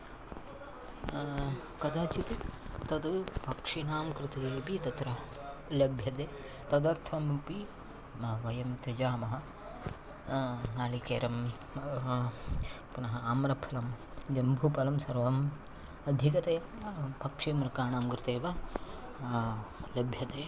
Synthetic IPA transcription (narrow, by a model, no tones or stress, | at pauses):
kɐd̪ɐt͡ʃit̪ut̪ɐd̪pɐkʂinaːmkɾɪt̪eːbit̪ɐt̪ɾɐ | lɐbʱjɐd̪eː | t̪ɐd̪ɐɾt̪ʰɐmpi | ʋɐjɐmt̪ɐd͡ʒaːmɐɦɐ | naːlikḛːɾɐm | punɐɦɐamɾɐpʰɐlɐm | d͡ʒɐmbʱupɐlɐmsɐɾʋɐm | ɐd̪ʱjikɐt̪ɐjɐpɐkʂimɾɐkaːɳaːmkɾɪt̪eːʋɐ | lɐbʱjɐd̪eː